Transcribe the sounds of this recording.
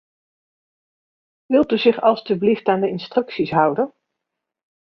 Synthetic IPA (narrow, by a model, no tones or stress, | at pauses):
ʋɪlˠtyzɪχɑlˠstybliftaːndəɪnstrɵksisɦʌwdən